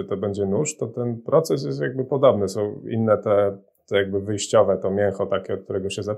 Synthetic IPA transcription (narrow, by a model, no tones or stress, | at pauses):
t̪ɔbɛɲd͡ʑɛnuʂt̪ɔt̪ɛnpɾɔt̪sɛs̬jɛst̪jaɡ̚bɘpɔd̪ɔbnɘsɔ̃w̃ḭnːɛt̪ɛ | t̪ɛjaɡ̚bɘvɘjɕt͡ɕɔvɛt̪ɔmʲjɛŋxɔt̪akʲɛɔt̪k̚t̪uɾɛɡɔɕɛza